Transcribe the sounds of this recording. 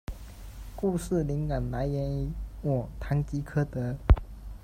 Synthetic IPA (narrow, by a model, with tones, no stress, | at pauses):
ku˥˧ʂɻ̩˥˩li˧˥ŋka˨˩nla˧˥ɪjɛ˧˥ni˧˥wɔ˨˩t̪ʰa˧˥ŋt͡ɕi˧˥kʰɤ˥t̪ɤ˧˥